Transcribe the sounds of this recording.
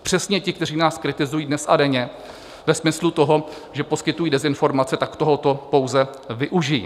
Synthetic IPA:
pr̝̥ɛsɲɛcɪk̚t̪ɛr̝iːnaːskɾɪt̪ɪzujiːdnɛsʔadɛɲɛ | vɛsmɪslut̪o̞ɦo̞ | ʒɛpo̞skɪt̪ujiːdɛzɪnfo̞ɾmat͡sɛt̪akt̪oɦot̪o̞po̞wzɛvɪʔuʒɪjḭː

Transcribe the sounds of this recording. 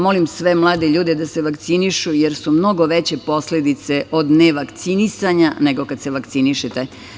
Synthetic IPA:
mo̞limsʋemlˠaːd̪eʎuːd̪ed̪aseʋakt̪siniʃujeɾsumno̞ɡoʋet͡ɕe̞po̞sle̞d̪it̪se̞ʔo̞d̪neʋakt̪sinisaɲane̞ɡo̞kad̪se̞ʋakt̪siniʃet̪e

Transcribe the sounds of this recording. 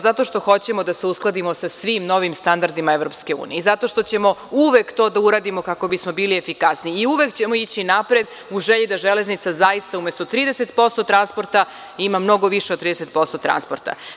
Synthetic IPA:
zat̪o̞ʃt̪o̞xo̞t͡ɕemo̞d̪aseusklˠad̪imo̞sasʋimno̞ʋimst̪and̪aɾd̪imaeʋɾo̞pske̞ṵːnijeizat̪o̞ʃt̪ot͡ɕe̞mo̞uʋekt̪o̞ːd̪auɾaːd̪imo̞kako̞bismo̞biːliefikasniːuʋe̞kt͡ɕemoit͡ɕinapɾed̪ | uʒeʎid̪aʒeleznit̪sazajist̪aumest̪o̞t̪ɾiːd̪ese̞t̪po̞st̪o̞t̪ɾanspo̞ɾt̪a | imamno̞ɡo̞ʋiʃed̪t̪ːɾiːd̪eset̪̚po̞st̪ot̪ɾa̰nspo̞ɾt̪a̰

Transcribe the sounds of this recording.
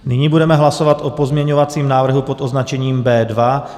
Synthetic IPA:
nɪɲibudɛmɛɦlasovat̪ʔopo̞zmɲɛɲovat͡siːmnaːvr̩ɦupo̞t̪ʔo̞znat͡ʃɛɲiːmbɛːdva

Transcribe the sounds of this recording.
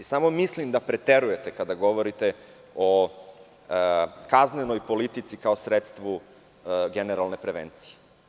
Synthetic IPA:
isamomislimd̪apɾet̪eɾuje̞t̪ekad̪aɡo̞ʋo̞ɾit̪e̞ | o | kaznenojpolit̪it̪sikaosɾet̪st̪ʋu | ɡeneɾalˠne̞pɾeʋḛnt̪si̥je̥

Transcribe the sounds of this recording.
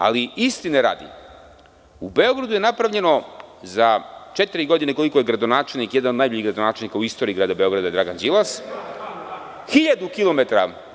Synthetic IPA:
a̰liist̪ineɾa̰ːd̪ḭ | ubeo̞ɡɾad̪uje̞napɾavʎe̞no̞zat͡ʃet̪iɾiɡo̞d̪ineko̞liko̞jeɡɾad̪onaːt͡ʃelˠnikjed̪anod̪najboʎiɡɾad̪onaːt͡ʃelnikauist̪oːɾiːɡɾaːd̪abe̞o̞ɡɾad̪aed̪ɾaɡand͡ʒilˠas | xiʎad̪ukilˠo̞met̪aɾa̰

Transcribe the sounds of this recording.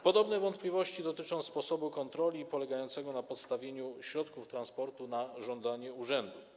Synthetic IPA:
pɔd̪ɔbnɛvɔnt̪̚plʲivɔɕt͡ɕid̪ɔt̪ɘt͡ʂɔ̃w̃spɔsɔbukɔnt̪ɾɔlʲipɔlɛɡajɔnt̪sɛɡɔnapɔt̪st̪avʲjeɲuɕɾɔt̪kuft̪ɾanspɔɾt̪unaʐɔnd̪aɲɛuʐɛnd̪u

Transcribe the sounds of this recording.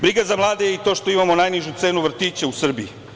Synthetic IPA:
bɾiɡazamlˠaːd̪ejeit̪o̞ːʃt̪o̞imamo̞najniʒut̪se̞ːnuʋr̩t̪iːt͡ɕeusr̩bii

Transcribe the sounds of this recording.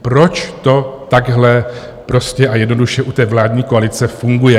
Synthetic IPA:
pɾo̞t͡ʃt̪o̞t̪aɡɦlɛ | pɾo̞scɛʔajɛdno̞duʃjɛʔut̪ɛːvlaːdɲiːkoalɪt͡sɛfuŋɡujɛ

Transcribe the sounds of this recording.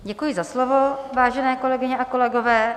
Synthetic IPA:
ɟɛkujɪzaslovovaːʒɛnɛːko̞lɛɡɪɲɛʔako̞lɛɡovɛː

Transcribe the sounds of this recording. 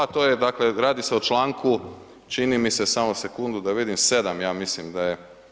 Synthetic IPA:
t̪oːjed̪akle̞ɾaːd̪ise̞ot͡ʃlaːŋkʰu | t͡ʃinimise̞samose̞kund̪ud̪aʋid̪imse̞d̪amjaːmislimd̪aje

